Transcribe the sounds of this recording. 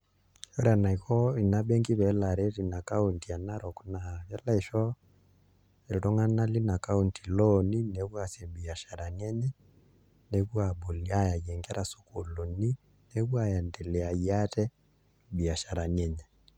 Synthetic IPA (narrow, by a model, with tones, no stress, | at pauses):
jɔ˦ɾa˨na˨i˨kɔ˦i˨na˦bɛ˦ŋɡi˦βɛ˨la˨ɾɛ˦li˨na˨ka˦u˨nti˨a˨na˦ɾɔ˨ku˦na˨βɛ˦la˦i˨ʃɔ˦ | ɛ˨ɾɔ˦ŋa˦na˦li˦na˨ka˦u˦nti˨lɔni˦ne˨kwa˨sɛ˨mbi˨a˨ʃa˨ɾa˨nɛ˦ɲɛ˦ | ne˨kwa˨bo˨lia˦ja˨jɛ˨ŋɡɛ˦ɾʔa˨so̥˨ko˨lo˨ni˦ | ne˦ɣwa˨ja˨ndɛ˨lɛ˨a˨ia˦tɛ˦ | mbi˨a˨ʃa˨ɾa˨nɛ˦ɲɛ˨